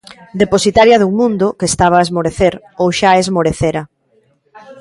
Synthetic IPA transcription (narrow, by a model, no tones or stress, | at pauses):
d̪eposit̪aɾjɐðuŋmũnd̪ʊkest̪aβ̞aːezmoɾeθeɾ | owʃaezmoɾeθeɾɐ